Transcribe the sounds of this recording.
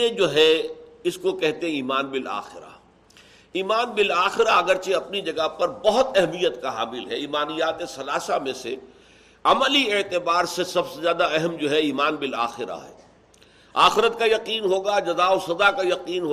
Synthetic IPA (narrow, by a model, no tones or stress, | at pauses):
ẽd͡ʒoːɦɛɪskokɛɦt̪ẽɦɛ̃iːmaːnbɪla̰ːxɪɾa̰ | iːmaːnbɪlaːxɪɾaɐɡəɾt͡ʃeɐpnid͡ʒɐɡaɦpɐɾbɐɦʊt̪ɛɦmijət̪kaɦa̰ːmɪlɦɛiːmaːnijaːt̪esɐlaːsamẽse | ɐməliɪːt̪ɪbaːɾsesɐbsezjaːd̪aɛɦɛmd͡ʒoːɦɛiːmaːnbɪla̰ːxɪɾa̰ɦɛ̰ː | a̰ːxɪɾət̪kajɐqiːnɦoːɡad͡ʒɐzaːosɐzakajɐqiːnɦ